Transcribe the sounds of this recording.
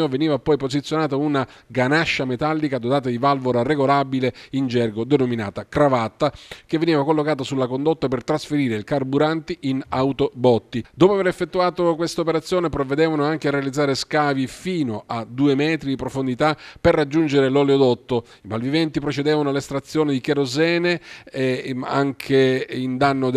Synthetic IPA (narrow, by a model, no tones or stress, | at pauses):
oveniːvapɔjpozit̪sjonaːt̪ouna | ɡanaʃːamet̪alːikad̪ot̪aːt̪ad̪ivalvoɾareɡolabileind͡ʒɛrɡod̪enomina̰ːt̪akɾavat̪ːak̟evːeniːvakolːokaːt̪asulːakond̪ot̪ːapert̪ɾasfeɾiːɾeilkarbuɾant̪iʔinawt̪obɔt̪ːid̪oːpoaveɾefːet̪ːuaːt̪okwest̪aopeɾat̪sːjoːnepɾovːed̪ɛːvanoaŋk̟earealid̪zːaːɾeskaːvifiːnoʔad̪uːemɛːt̪ɾid̪ipɾofond̪it̪aperːad͡ʒːund͡ʒeɾelɔleod̪ɔt̪ːo | ipalvivɛnt̪ipɾot͡ʃed̪ɛːvanoalest̪ɾat̪sːjoːned̪ikeɾozɛːne | a̰ŋkʰeind̪anːo